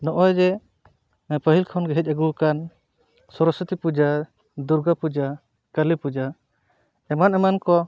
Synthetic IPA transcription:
nɔʔɔjd͡ʒɛ | pəɦilkʰawnɡɛɦɛc̚ˀaɡukan | sɔɾɔsit̪ipud͡ʒa | d̪uɾɡapud͡ʒa | kəlipud͡ʒa | ɛmanɛmankɔ

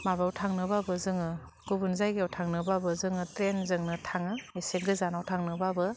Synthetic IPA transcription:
maβawtʰaŋnɯbabɯzɯŋɯ | ɡ̥ubunzajɡiawtʰaŋnɯbabɯzɯŋɯtɾenzɯŋnɯtʰaŋɯeseɡɯzanawtʰaŋnɯbabɯ

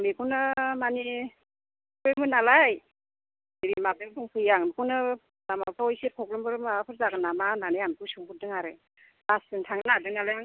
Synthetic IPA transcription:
mikʰunɯmani | pʰɯmɯnalaj | eɾimabeduŋpʰɯjaŋnkʰɯnɯ | lamapʰaɔjsekʰɔk̚lɯmbɯɾmaapʰɯɾzaɡɯnamananɯjankʰɯsɯŋpʰut̚dɯŋaɾɯ | lasɯntʰaŋnadɯŋalajaŋ

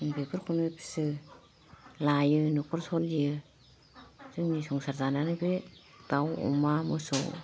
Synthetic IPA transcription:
bepʰɯɾkʰunɯpʰisɯ | lajɯnukʰɯɾsɔljɯ | zɯŋnisɔŋsaɾzananɯbe | ɡawɔ̰mamɯsɔw

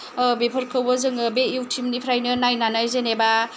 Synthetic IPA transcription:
bepʰəɾkʰɯwbɯzɯŋbeiwtʰimnipʰɾajnɯnajnanajzeneba

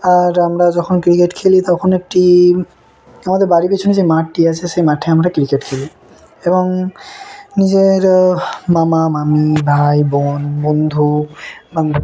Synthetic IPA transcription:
aɹamɹazɔkʰɔnkɹiketkʰelit̪awkʰɔnek̚ti | amatɛbaɹipasʰɔnis̬ejmatːiasɛsejmatʰɛamatakɹikɛtkʰeli | ebɔŋ | nizeɹmamamamibʱajbɔnbɔnd̪ʱuband̪ʱu

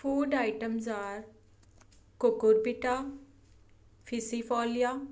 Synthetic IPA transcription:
fʰuːɖaːiʈəmzaːɾ | kʊkʊɾpiʈaː | pʰɪsipʰɔːlijaː

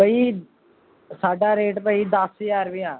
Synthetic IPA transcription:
bəi | saːɖaːɾeːʈpəid̪əsɪjaːɾbɪjãː

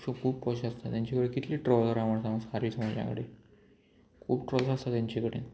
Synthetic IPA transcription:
əkʰuːb̚pɔɕast̪at̪jaɲt͡ɕekəɽekit̪liːʈɾɔləɾaʋəɳsãməsaɾiːsəməd͡ʑja̰kəɽe | kʰṵːbʈɾɔlsast̪at̪jaɲt͡ɕekəɽḛː

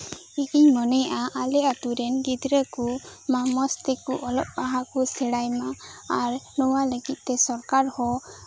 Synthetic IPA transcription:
iʔiɲmɔnɛjʔaʔalɛat̪uɾɛnɡid̪ɾəkumamɔst̪ɛkuʔɔlɔʔ̚baɦakusɛɽajmaaɾnɔwaləɡit̪̚ˀt̪ɛsɔɾkaɾhɔ

